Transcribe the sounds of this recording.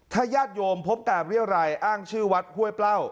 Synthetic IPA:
t̪ʰaː˥˩jaː˥˩t̪̚joː˧mpʰo˦˥p̚kaː˨˩p̚ɾi˥˩əwɾa˧jʔaː˥˩ŋt͡ɕʰɯː˥˩wa˦˥t̪̚hu˥˩əjpla˥˩w

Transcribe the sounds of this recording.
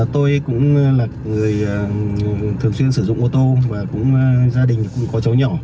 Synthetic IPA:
t̪o˧jkʊ̰˧˥ŋ͡mlaː˨˩k̚ŋɨ˨˩əjt̪ʰɨ˨˩əŋswi˧ənsɨ˧˩zʊ̰˧˨ŋ͡mʔo˧t̪o˧maː˨˩kʊ̰˧˥ŋ͡mzaː˧ɗï˨˩ŋ̟kʊ̰˧˥ŋ͡mkɔ˨˦t͡ɕə˨˦wɲɔ˧˩

